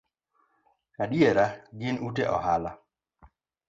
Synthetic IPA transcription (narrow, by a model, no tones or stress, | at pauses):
aɗjeɾaɡɪnuteʔɔ̰hala